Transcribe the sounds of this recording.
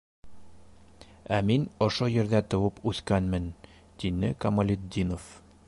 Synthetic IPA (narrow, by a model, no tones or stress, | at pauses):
æminŏʃojɘ̆ɾðæt̪ŏwɤpʉθkænmɘn | t̪inɘkɐmolʲɪd̪ʲːinof